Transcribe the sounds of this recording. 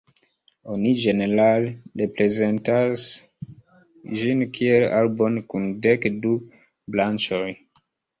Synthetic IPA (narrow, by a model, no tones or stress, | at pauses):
o̞nid͡ʒe̞ne̞ɾalɾe̞pɾe̞ze̞ntas | d͡ʒinkʰiela̰lbonkundekdu | blant͡ʃoj